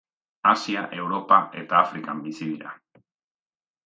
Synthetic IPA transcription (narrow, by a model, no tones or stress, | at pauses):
asia̰ʔe̞wɾo̞paʔe̞t̪aːfɾikambisiðiɾa̰